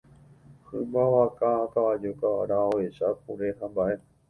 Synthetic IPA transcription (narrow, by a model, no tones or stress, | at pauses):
hɨmaʋakãakaʋad͡ʒokaʋa̰ɾãoeʃak̚uɾeɦãmbaʔe